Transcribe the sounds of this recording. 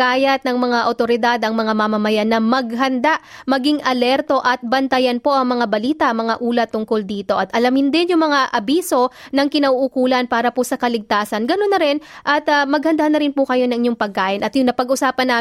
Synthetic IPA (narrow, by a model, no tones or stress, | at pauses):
kaːjɐt̪̚nɐŋmɐŋaʔɐ̰wt̪o̞ɾɪd̪ad̪ɐŋmɐŋamɐmɐmɐjanːɐmɐɡɦɐnd̪aʔmɐɡiŋʔɐlɛɾt̪o̞ʔɐt̪̚bɐnt̪ɐjɐnpo̞ʔɐŋmɐŋabɐliːt̪ɐʔmɐŋaʔuːlɐt̪ːʊŋko̞ld̪iːt̪o̞ʔɐt̪ʔɐlɐmɪnd̪ɛnjʊŋmɐŋaʔɐbiːso̞nɐŋkɪnɐʔuʔukuːlɐnpaːɾɐposɐkɐlɪɡ̚t̪aːsɐnɡɐno̞nːɐɾɪnʔɐt̪ɐmɐɡhɐnd̪anːɐɾɪnpʊkɐjo̞nɐŋɪɲoŋpɐɡ̚kaːʔɪnɐt̪jʊŋnɐpɐɡʔʊsaːpɐnːaː